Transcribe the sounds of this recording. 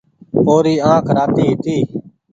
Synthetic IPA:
poːɾiːãːkʰɾaːt̪iːt̪iː

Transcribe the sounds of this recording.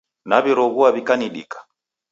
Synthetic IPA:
naβiɾɔɣuaβikaniɗḭkḁ

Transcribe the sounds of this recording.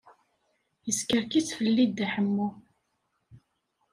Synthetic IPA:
jəskəɾkit͡sːfəlːid̪aħəmːu

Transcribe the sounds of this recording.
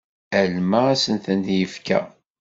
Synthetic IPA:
ælmææsənθənt̪jəfkæ̰

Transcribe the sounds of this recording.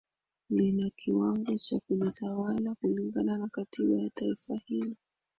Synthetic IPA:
linakʰiwaŋɡɔt͡ʃakulitʰawalakuliŋɡananakatiɓajataifahilɔ

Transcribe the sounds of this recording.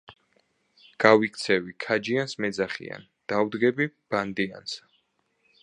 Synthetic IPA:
ɡ̥awikʰt̪sʰɛvikʰad͡ʒiansmɛd̪zaχḭa̰n | d̪̥awd̪ɡɛbib̥and̪ia̰ns

